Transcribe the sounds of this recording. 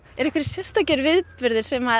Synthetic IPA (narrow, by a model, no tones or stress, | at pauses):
ɛɾɛhkvɛɾɪ̥sjɛr̥st̪acɛɾvɪðpʏɾðɪɾ̥sɛma